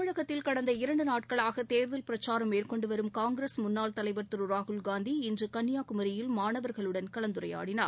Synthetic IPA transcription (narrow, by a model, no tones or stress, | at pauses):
ɯɻɐɣɐt̪ːɪlkɐɽɐnd̪ɐɪɾɐɳɖɯnaːʈ̚kɐɭaːɣɐt̪eːɾðɐlpɪɾɐt͡ʃːaːɾɐmːeːɾkɔɳɖɯʋɐɾɯmkaːŋɡɾeːsmʊnːaːlt̪ɐlɐɪʋɐɾt̪ɯɾɯɾaːɣɯlɡaːnd̪iɪndrɯkɐnːɪjaːkʊmɐɾɪjɪlmaːnɐʋɐɾɣɐɭɯɽɐnkɐɭɐnd̪ɯɾɐja̰ːɽɪna̰ː